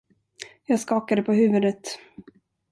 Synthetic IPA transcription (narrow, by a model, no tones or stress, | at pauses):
jɑːɡskɑːkad̪əpʰɔɦʉ̟ːvɵd̪ət̪